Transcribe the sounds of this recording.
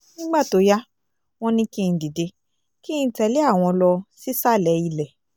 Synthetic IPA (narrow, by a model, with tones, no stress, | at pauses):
ĩ˦ɡ͡ba˦˨to˨˦ja˦ | w̃ɔ̃˦nĩ˧kĩ˦˧˨di˨de˧ | kĩ˦˧˦tɛ˧le˦a˦˨w̃ɔ̃˧lɔ˧si˦sa˦˨lɛ˨˦i˦˧˨lɛ˨